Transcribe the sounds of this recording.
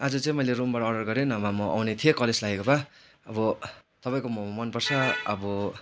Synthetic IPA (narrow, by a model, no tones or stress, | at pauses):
ad͡zʌt͡saĩmʌjlerumbaɽʌːɽɖʌrɡʌɾenamamʌʔa̰wnet̪ʰijekʌleslaɡekoba | ʌbʌt̪ʌpaj̃komʌmʌnpʌrt͡sʰʌʌbʌ